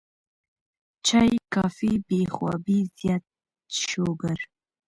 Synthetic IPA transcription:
t͡ʃajkɑfibexwɑbizjɑt̪̚ | ʃoɡəɾ

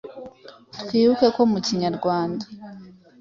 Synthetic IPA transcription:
tkwiːβuke̞ko̞muciɲaɾɡwaːnda

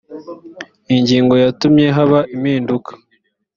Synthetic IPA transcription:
iɲɟiːŋɡo̞jatumɲe̞ɦaβaʔimiːndukʰḁ

